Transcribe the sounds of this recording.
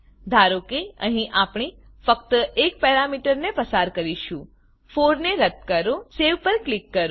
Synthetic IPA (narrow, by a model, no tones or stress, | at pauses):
d̪ʱaɾokeə̰ɦĩʔapɳ̃i | fək̚t̪əʔek̚pɛɾamiʈəɾnepəsaɾkəɾiʃũ | foɾneɾət̪kəɾõseʋpəɾklikːəɾ